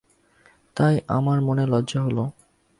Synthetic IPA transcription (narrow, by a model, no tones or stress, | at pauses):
t̪ajʔa̰maɾmonelɔdːʑaɦolo